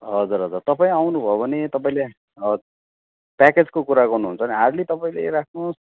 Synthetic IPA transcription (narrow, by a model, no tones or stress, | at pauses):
ɦʌd͡zuɾɦʌd͡zurt̪ʌpaĩawnubʱʌobʱʌnet̪ʌpaĩle | paked͡zkokuɾaɡʌrnuɦunt͡sʰʌniɦaɾlit̪ʌpaĩleɾakʰnos